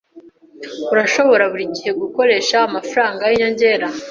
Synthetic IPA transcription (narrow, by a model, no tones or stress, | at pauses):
uɾaʃo̞βo̞ɾaβuɾiɟihe̞ɡuko̞ɾe̞ːʃaːmafɾaːŋɡajiɲo̞ɲɟe̞ːɾa